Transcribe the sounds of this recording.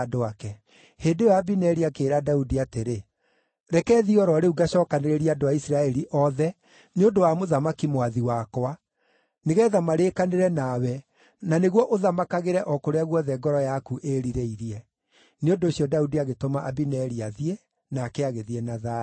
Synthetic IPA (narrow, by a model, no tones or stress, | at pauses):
doakɛ | heːndejwaːbinɛɾiakeːɾadaudiateɾe | ɾɛkɛːðiɔɾɔɾeuɡaɕɔːkaneɾeɾiadoaisɾaɛɾiʔɔðɛ | neondowamoðamakimwaðiwakoa | neɣɛðamaɾeːkaneɾɛnawɛ | naneɣwɔʔoðamakaɣeɾɛʔɔkoɾeaɣwɔðɛɡɔɾɔjakuʔeɾiɾeiɾiɛ | neondoːsiɔdaudiaɣetomaʔabinɛɾiaðie | nakɛaɣeðiɛnaða